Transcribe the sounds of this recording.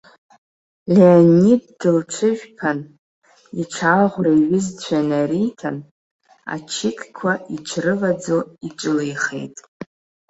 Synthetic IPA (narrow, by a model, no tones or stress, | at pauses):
leanid̚dɨlt͡ʃʷʰɨʒᶣpʰan | iʈ͡ʂʰaʁʷraiɥɪzt͡ɕʷʰanaɾitʰan | a̰t͡ʃʰɪkʲʰʼkʷʰaiʈ͡ʂʷʰrɨvad͡zoiʈ͡ʂʷʼɨlejχḛjtʼ